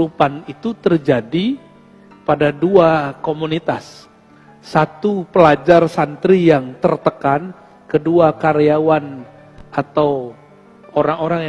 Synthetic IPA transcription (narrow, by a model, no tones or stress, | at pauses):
upanit̪ut̪ərd͡ʒadi | padaduakomunit̪asː | at̪upəlad͡ʒarsant̪ɾijaŋt̪ərt̪əkan | kəduakaɾeawan | at̪aw | oɾaŋoɾaŋj